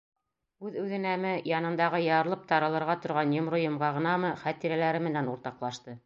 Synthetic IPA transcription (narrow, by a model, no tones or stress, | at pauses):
ʉðʉðɘ̆næmɘjɑnɤ̆nd̪ɑʁɤjɑɾlˠɤp̚t̪ɑɾɤ̆lˠɤ̆ɾʁɑt̪ŏɾʁɑnjŏmɾojŏmʁɑʁɤ̆nɑmɤχæt̪iɾælæɾɘmɘ̆nænuɾt̪ɑqlˠɑʃt̪ɤ